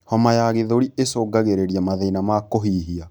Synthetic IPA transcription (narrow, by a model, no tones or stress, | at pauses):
hɔmajaɣeðoɾiesoːɡaɣeɾeɾjamaðɛinamakoɦiːɦia